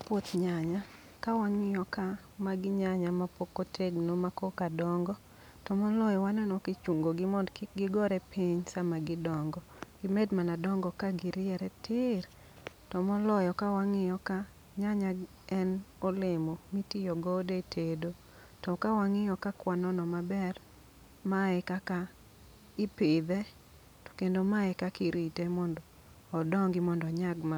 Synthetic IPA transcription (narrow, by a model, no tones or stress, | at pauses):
pwot̪ɲaɲa | kawaŋɪjɔka | maɡɪɲaɲamapokotʰeɡnomakokadɔŋɡɔ | tɔmɔlɔjɔwanɛnɔkɪt͡ʃuŋɡoɡɪmɔdɡɪɡɔɾɛpiɲsamaɡɪdɔŋɡɔ | ɡ̥ɪmɛdmanadɔŋɡɔkaɡɪɾɪɛɾɛtɪr | tɔmɔlɔjɔkawaŋɪjɔka | ɲaɲaɡ | ɛnɔlɪmomitijɔɡɔdetʰedo | tɔkawaŋɪjɔkakwanɔnɔmabɛr | maɛkaka | ɪpɪd̪ɛ | to̥kendomaɛkakiɾitemɔndɔː | dɔŋɡɪmɔndɔɲaɡma